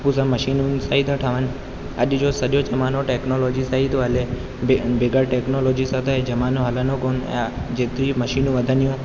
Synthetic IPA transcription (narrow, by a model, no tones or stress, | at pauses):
pusãməʃinũnsaːɦit̪ʰəʈʰaʋən | ə̰ʄd͡ʒosəɗjod͡ʒɐmaːnoʈeːknoloːd͡ʒisaɦit̪oəle | bebeɡaɾʈeːknoloːd͡ʑisat̪ʰeed͡ʒəmaːnoɦələnokon̰d͡ʒet̪iməʃinũʋəd̪ʱənijũ